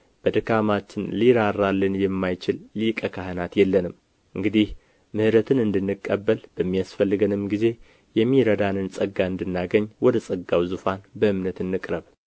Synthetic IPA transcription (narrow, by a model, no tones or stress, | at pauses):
b̥əd̪ɨkamat͡ʃːɪnliɾarːalːənjɛmːajt͡ʃɪlːikʼəkʰahɨnat̪jɛlːənɨm | ʔɨŋɡɨd̪ih | mɨhɨɾət̪ʰɨnɨnd̪ɨnːɨkʼːəbːəlb̥əmːijasfəlːɨɡənɨmɡize̞ | jɛmːiɾəd̪anɨnsʼəɡːaɨnd̪ɨnːaɡəɲːwɔd̪əsʼəɡːawzufanbəɨmnət̪ɨnːɨkʼɾəβ